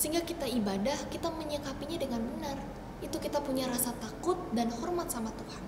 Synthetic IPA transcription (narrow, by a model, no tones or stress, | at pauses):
səɦiŋɡakit̪aibadahkit̪aməɲəkapiɲadəŋanbənar | it̪ukit̪apuɲaɾasat̪akʊt̪̚danhɔrmat̪̚samat̪uhan